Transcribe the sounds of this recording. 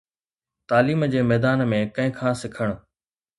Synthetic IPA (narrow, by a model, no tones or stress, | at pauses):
t̪aːliːmd͡ʑeːmɛːd̪aːnmẽkɐ̃ɦɪ̃kʰãːsɪkʰəɽ̃